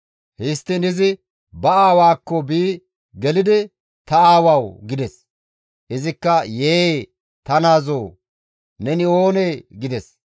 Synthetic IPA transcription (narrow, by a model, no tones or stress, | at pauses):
hɪst̪ːɪnɪzɪ | bɐaːwaːkːɔbiː | ɡɛlɪd̪ɪ | t̪ɐaːwawɡɪd̪ɛs | ʔɪzɪkːɐjeː | t̪ɐnaːzoː | nɛnɪo̞ːneːɡɪd̪ɛs